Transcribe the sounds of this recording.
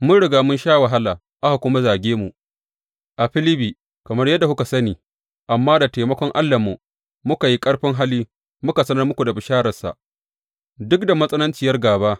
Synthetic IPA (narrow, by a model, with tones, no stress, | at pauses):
mʊ˦ɽɪ˨ɡaː˨mʊ˦nʃaː˦wɐ˨ɦa˦laː˨ | ʔa˦ha˨kʷʊ˦ma˦zaː˨ɡʲeː˦mu˨ʔ | ʔa˨ɸɪ˦lɪ˦biː˨ | kɐ˨mɐ˦rjɐ˦da˨hʊ˦ka˨sɐ˦niː˨ | ʔa˨mːaː˦da˨teː˨mɐ˦kʷɔ˦ŋʔa˦lːa˨mːu˨ | mʊ˦ka˨ji˦kʼɐ˦ɽɸɪ˦ŋɦa˦liː˦ | mʊ˦ka˨sɐ˦nɐ˦rmʊ˦kʷu˨da˨bɪ˨ʃaː˦ɾɐ˨rsa̰˨ʔ | dʊ˦k̚da˨mɐ˦sʼɐ˦nɐ˦nt͡ʃɪ˨jɐ˦rɡaː˨baː˦